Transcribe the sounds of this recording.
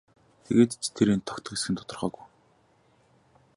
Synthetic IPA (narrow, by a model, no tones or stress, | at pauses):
t̪ʰḛɣeːt̪t͡ɕʰt̪ʰeɾeint̪ʰːɔ̥kt̪ʰə̆kɡesxɘ̆nt̪ʊ̥t̪ɞ̆rχœːɣuj